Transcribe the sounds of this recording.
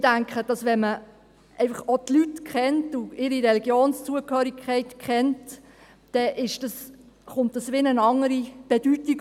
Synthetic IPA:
d̥æŋkχəd̥ɑsʋɛnmə | ʔɛɪfɑχotlytkχɛntuɪɾiɾɛliɡjoːnst͡suəkhøːɾikʰːɛɪtkʰχɛnt | d̥ɛʔɪʃd̥ɑs | χʊnt̚dɑsʋɪnənɑŋəɾib̥ɛd̥ytːi

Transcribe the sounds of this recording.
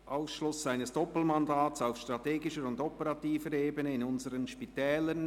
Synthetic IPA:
ʔaʊsʃlʊsaɪnəsd̥ɔpl̩mɑndaːtsaʊfʃtɾ̥ɑteːɡɪʃəɾʊndɔpəɾɑtiːfəɾeːbənəɪnʊnzəɾənʃpitɛːlən

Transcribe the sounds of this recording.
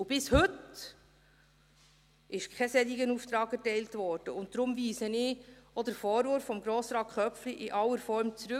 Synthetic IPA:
ʊb̥ɪshɵt | ɪʃkʰɛsɛd̪iɡənuːft̪ɾɑːɡ̥ɛɾtɛɪltvɔːɾd̥əʊntdɾʊmviːsənɪːɔd̪əɾfɔːɾvʊɾfːɔmɡɾoːsɾɑːt̚kχœpfliʔɪʔɑlːəɾfɔɾmt͡sɾʉ

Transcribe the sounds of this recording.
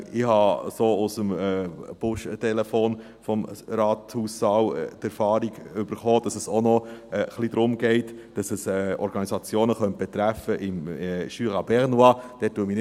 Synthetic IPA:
ɪhɑsoːʊsəmɛb̥ʊʃtɛlɛfoːn | fɔmɾɑːthuːssɑwtɛɾfɑːɾiɡʏb̥əɾχoːd̥ɑsɛsonɔɛχlid̥̪ɾʊmɡɛɪtd̥ɑsɛsɛɔ̰ɾɡ̥ɑnizɑt͡sjoːnəχœnt̚b̥ɛt̪ɾæfəʔɪmʃyːʁɑbɛʁnuɑd̥ɛːt̚ːuːəmi

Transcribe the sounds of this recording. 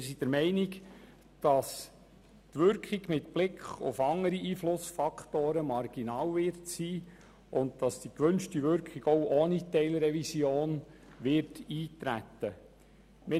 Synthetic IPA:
mɪɾsid̥əɾmɛɪnɪk | d̥ɑs | tʋʏɾkχiɡmɪtb̥lɪkʰχʊ̰fɑŋəɾiʔiːflʊsfɑkχtoːɾəmɑrɡ̥inɑːwʋɪrtsiː | ʔʊndd̥ɑsd̥ikʋɵnʃtiʋʏɾkʰχiɡɔwʔoːnitɛɪlɾɛvisjoːnʋɪɾtiːtɾæ̰t̪ːə | mɪ

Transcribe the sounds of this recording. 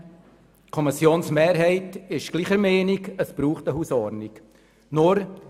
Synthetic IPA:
kʰɔmɪsjoːnsmeːɾɦɛɪtɪʃɡ̥liːχəɾmɛːnikəsb̥ɾuːχtəɦuːsɔɾnik | nʊɾ

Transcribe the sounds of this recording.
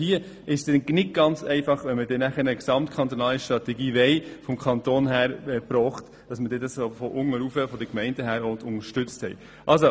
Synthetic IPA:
hiə | ɪʃsdɛnnɪt̚ɡ̥ɑnt͡sɛɪfɑχʋɛnmədɛnæχəɾəksɑmtkʰɑnt̪onɑːliʃtɾɑtɛɡiːʋɛɪfɔmkʰɑnt̪oːnɦæːɾɛpɾɔːχt | d̥ɑsmədɛdɑsfɔʔʊŋəɾufəfɔdəkmɛɪndəɦæːɾɔtʊnəʃtʏt͡sthɛ̰j | ʔɑlso

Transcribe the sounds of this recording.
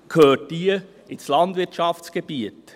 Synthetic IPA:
kʰøːtːiə | ɪslɑndvɪtʃɑftt͡sɡ̥eb̥iət

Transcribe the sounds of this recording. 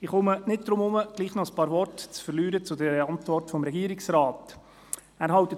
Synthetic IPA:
ɪχʊmənɪt̚d̥ɾʊmʊməɡ̥liːχnɔəspɑːɾvɔrtt͡sfəɾlyːɾət͡sʊd̪ɛɾəɑnt̪vɔrtfɔmɾɛɡiːəɾɪksɾɑːt | æːɾɦɑwt̪ə

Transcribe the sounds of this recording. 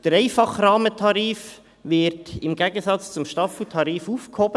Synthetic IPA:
d̥əɾɛɪfɑχɾɑːmətʰɑɾiːf | vɪɾtɪmɡɛːɡən̩sɑt͡st͡sʊmʃtɑfutʰɑɾiːfuːfkʰhɔbə

